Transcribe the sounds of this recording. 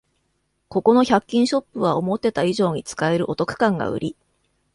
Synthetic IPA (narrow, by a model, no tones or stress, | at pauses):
ko̞ko̞noçakʲːĩɰ̃ɕo̞pːɯβ̞ao̞mo̞t̪ːe̞t̪aiʑo̞ːɲ̟it͡sɨ̥kae̞ɾɯ̟ʔo̞t̪o̞kɯ̟̥kãŋɡa̰ɯ̟̰ɾʲi